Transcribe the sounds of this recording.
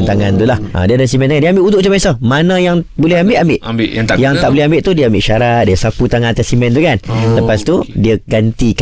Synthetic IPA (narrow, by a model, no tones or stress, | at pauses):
nt̪aŋant̪ulahʔə̰̃diadaasimɛnt̪aŋandiəambɪʔut̪uʔt͡ʃ̪umasɔmanə̃jaŋbolɛhambɪʔambɪʔbʔ̪jaŋt̪aʔboleɦambɪʔt̪udiəambɪʔʃaɾat̪̚diəsaput̪aŋãnat̪asimɛ̃nt̪̬ukanləpast̪udiəɡant̪ik